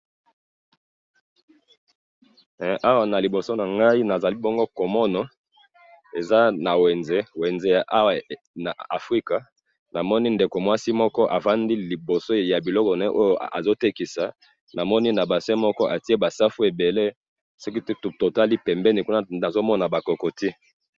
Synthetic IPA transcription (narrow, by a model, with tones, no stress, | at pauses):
ʔa˦wa˨na˨li˨bo˨so˦na˨ŋɡa˦i˦na˨za˨li˦bɔ˦ŋɡo˦ko˨mɔ˦nɔ˨ | e˨za˦na˨we˨nze˦we˨nze˦ja˨ʔa˦wa˨ | na˨a˨fʁi˦ka˨ | na˨mɔ˦ni˦nde˨ko˨mwa˦si˦mɔ˦kɔ˦ʔa˨va˦ndi˦li˨bo˨so˦ja˨bi˨lɔ˦kɔ˨nɛ˦ʔo˦jo˦˨ʔa̰˨zo˦te˦ki˨sa˨ | nʔa˨mɔ˦ni˦na˨ba˨sɛ˦mɔ˦kɔ˦ʔa˨ti˦e˦ba˨sa˦fu˦e˨be˨le˦ | so˦ki˦˨to˨ta˦li˦pɛ˨mbɛ˦ni˨ku˦na˦na˨zo˦mɔ˦na˨ba˨ko˨ko˨ti˦